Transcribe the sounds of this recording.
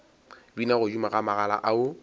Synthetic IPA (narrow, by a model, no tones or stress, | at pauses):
binaɣʊd͡ʒumaɣamaɣala̰ʔaʊ